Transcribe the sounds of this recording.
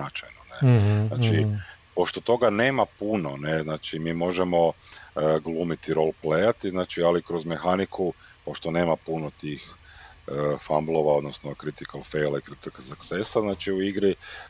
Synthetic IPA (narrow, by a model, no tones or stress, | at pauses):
at͡ʃajnonena̰ːt͡ʃipo̞ʃt̪ot̪o̞ɡane̞ːmapuno̞neznaːt͡ʃimiːmo̞ʒemo̞ | ɡlˠuːmit̪iɾo̞lˠplejat̪iznaːt͡ʃialikɾozme̞xanikʰupo̞ʃt̪one̞ːmapunot̪iːxəfamblˠo̞ʋao̞d̪nosnokɾit̪ikalˠfejlˠaikɾit̪ikazaksesaznaːt͡ʃiuiɡɾi